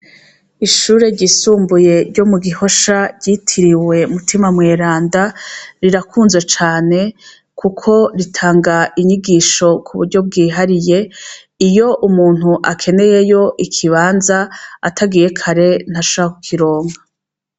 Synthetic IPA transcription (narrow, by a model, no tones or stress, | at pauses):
iʃuːɾe̞ɾɟisuːmbuje̞ɾɟomuɡiho̞ʃaɟitʰiɾiwe̞mutʰimamŋeːɾaːndaɾiɾakʰuːnzet͡ʃaːne̞ | kʰukʰo̞ɾitʰaːŋɡaʔiɲiɡiːʃo̞kʰuβṵɾɟo̞b̚ɡiːɦaɾije̞ | ijo̞ʔumuːn̥huʔakʰe̞ne̞je̞jo̞ʔikʰiβaːnzaːtʰaɡije̞kʰaɾe̞n̥haʃoakukʰiɾo̞ːŋɡa